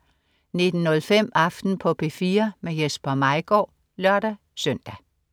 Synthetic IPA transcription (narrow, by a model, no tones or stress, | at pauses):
ne̝d̥n̩ːɔ̽lfem̰ɑ̈fd̥n̩pʰɒ̽pʰe̝fiːɐmejesb̥ɐmɑ̈ɪɡ̥ɒ̰ː | lɶɐɾ̥æ | sœn̰d̥æ